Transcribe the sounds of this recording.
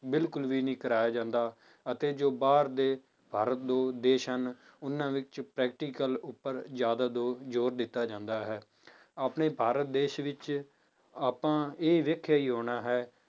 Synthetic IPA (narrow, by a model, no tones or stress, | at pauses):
bɪlkʊlʋiːnĩːkəɾaːjaːd͡ʒãːnd̪aː | ət̪eːd͡ʒoːbaːɾd̪eː | bʱaːɾət̪̚d̪oːd̪eːʃən | ʊnːãːʋɪt͡ʃpɾɛːk̚ʈiːkəlʊpːəɾzjaːd̪aːd̪oːd͡ʒoːɾd̪ɪt̪ːaːd͡ʒãːnd̪aːɦɛː | aːpneːbʱaːɾət̪̚d̪eːʃʋɪt͡ʃ | aːpãːeːʋekʰaːiːɦoːɽaːɦɛː